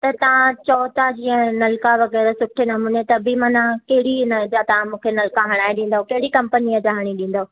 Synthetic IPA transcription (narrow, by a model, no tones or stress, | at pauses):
t̪ɐt̪ɐʋ̤ãt͡ɕɔːt̪ad͡ʑiːə̃nɐlkaʋɐɣɛːɾəsʊʈʰenɐmũːnet̪ɐbɪmɐnãkɐɦɪɽinɐd͡ʑat̪ɐʋ̤ãmũːkʰenɐlkaɦɐɽ̃aːeɗĩːn̆d̪aɦokɐɦɪɽikɐ̃mpəniəd͡ʑaɦɐɽ̃iɗĩːn̆d̪ao